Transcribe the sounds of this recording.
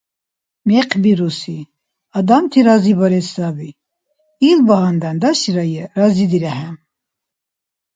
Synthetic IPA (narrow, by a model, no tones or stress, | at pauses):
mɛqʰbiɾusi | ɑd̪amt̪ʰiɾazibɔɾɛsabi | ilbaɦand̪and̪aʃiɾajɛɾazid̪iɾɛħɛm